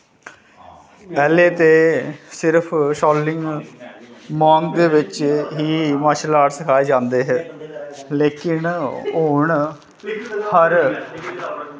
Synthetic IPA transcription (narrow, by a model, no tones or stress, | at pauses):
pɛːleːt̪eːsɪɾpʰʃɔːlɪ̃ŋɡ | mãːŋɡɡeʋɪt͡ʃɦiːməʃlaːɽsəkʰaːeːd͡ʒãːnd̪eːɦɛː | leːkɪnoːɳ | həɾ